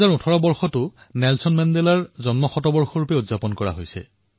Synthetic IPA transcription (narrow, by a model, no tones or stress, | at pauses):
aɹutʰɔɹɔbɔɹxɔtʊ | nɛlsɔnmɛndɛlaɹzɔnmɔxɔtɔbɔɹxɔɹupɛudzapɔnkɔɹa̰ɦojsɛ̰